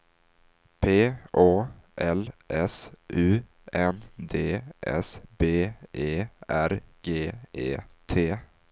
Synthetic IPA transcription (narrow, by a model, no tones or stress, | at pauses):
pʰeːoːʔɛlʔɛsʔʉ̟ː | ɛnd̪eːʔɛ̰sbeːʔeːæɾɡ̥eːʔeːt̪ʰeː